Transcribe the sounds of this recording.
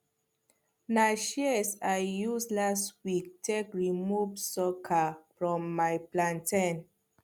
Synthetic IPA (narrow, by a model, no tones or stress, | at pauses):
naʃɛsaɪjuslastwik̚tʰekɹimuvsɔkʰafɹɔ̃mːaɪplãntʰãn